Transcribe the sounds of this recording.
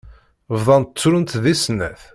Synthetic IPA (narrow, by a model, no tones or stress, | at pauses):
vðˤɑnə̥t͡sːɾənt̪ðisnæ̰θ